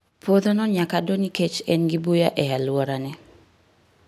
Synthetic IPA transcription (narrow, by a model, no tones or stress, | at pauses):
pʰod̪onɔɲakadoniket͡ʃɛnɡɪbujaʔɛalwɔɾanɛ